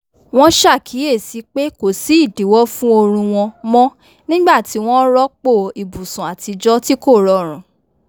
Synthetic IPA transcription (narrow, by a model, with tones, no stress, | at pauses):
w̃ɔ̃˦ʃa˦˨kʰi˨˦e˦˨si˨˦k͡pe˦ko˨si˨˦i˦˨di˨˦wɔ˦fũ˦o˧ɾ̃ũ˧w̃ɔ̃˧mɔ̃˦ | nĩ˦ɡ͡ba˦˨ti˨˦w̃ɔ̃˦ɾɔ˦k͡po˦˨i˨bu˨sũ˨a˨ti˧d͡ʒɔ˦ti˦ko˦˨ɾɔ˧ɾ̃ũ˨